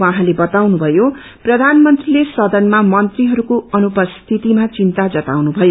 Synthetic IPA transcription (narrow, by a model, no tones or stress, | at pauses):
wãɦãlebʌt̪awnubʱʌjo | prʌd̪ʱanmʌnt̪rilesʌd̪ʌnmamʌnt̪riɦʌɾukoʌnupʌst̪ʰit̪imat͡sint̪ad͡zʌt̪awnubʱʌjo